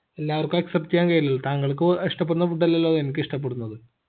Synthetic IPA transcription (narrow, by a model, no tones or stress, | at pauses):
elːaːʋɐrkuɐksɐptːikʲːaːnkɐjilːɐlːɐt̪aːŋːɐɭkːɨiʂʈɐp̬ːeɽunːɐpuʈːɐlːɐlːoːðenikʲːɨiʂʈɐp̬ːeɽunːɐðɨ